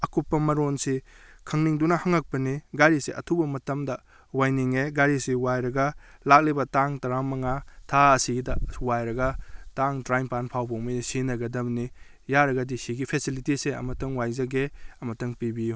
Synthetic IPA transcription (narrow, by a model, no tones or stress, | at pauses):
ɐkupːɐmɐɾonsikʰɐŋniŋdunɐhɐŋɐk̚pɐniɡajɾiseʔɐ̰tʰubɐmɐtɐmdɐ | wajniŋeɡajɾisiwajɾɐɡɐlak̚libɐtaŋtɐɾamɐŋatʰaɐsidɐwajɾɐɡɐtaŋtɾajmpanpʰawbowmɐjsinɐɡɐdɐmni | jaɾɐɡɐdisiɡipʰesilitiseɐ̰mɐtɐŋwajzɐɡeɐmɐtɐŋpibiju